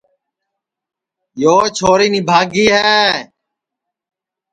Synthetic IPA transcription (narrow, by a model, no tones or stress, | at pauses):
joːt͡ʃʰoːɾiːnibʱaːɡiːɦɛː